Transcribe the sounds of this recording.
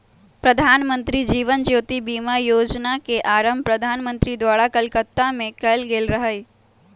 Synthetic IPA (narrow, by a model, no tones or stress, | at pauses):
pɾəd̪ʱaːnmə̃nt̪ɾid͡ʒiːʋənd͡ʒoːt̪ibiːmajoːd͡ʒnakeʔaːɾəmbpɾəd̪ʱaːnmə̃nt̪ɾid̪ʋaːɽakəlkət̪ːamẽkəlɡeːlɾəɦəi